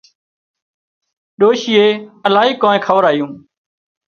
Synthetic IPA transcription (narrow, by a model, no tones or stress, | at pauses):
ɗoːʃɪeːəlaːɦiːkõːnẽːkʰəʋəɾaːɦijũː